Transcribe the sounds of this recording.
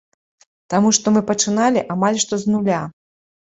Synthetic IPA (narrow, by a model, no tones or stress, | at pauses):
t̪amuʂt̪ɔmɨpɐt͡ʂɨnalʲiʔamalʲʂt̪ɔznulʲa